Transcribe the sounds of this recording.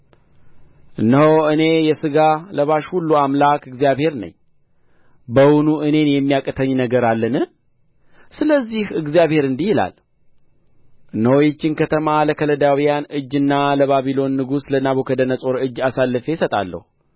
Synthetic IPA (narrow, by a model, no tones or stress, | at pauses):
ʔɨnːəhoɨne̞jɛsɨɡaləβaʃhulːuamlakɨɡzijaβhe̞ɾnə̰ɲː | bəwʊnuʔɨne̞njɛmːijakʼət̪ʰəɲːnəɡəɾalːənɨ | sɨləzːihɨɡzijaβhe̞ɾɨnd̪ihɪla̰l | ʔɨnːəwojɛt͡ʃːɪnkʰət̪ʰəmaləkʰələd̪awijanɨd͡ʒːɨnːaləβaβilo̞nːɨɡuslənaβokʰəd̪ənəsʼo̞ɾɨd͡ʒːasalːɨfe̞sət̪ʼa̰lːə̰hu